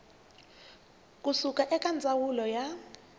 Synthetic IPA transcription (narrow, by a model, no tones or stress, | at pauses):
kʼusukʼaʔɛkʼand͡zʱawulɔja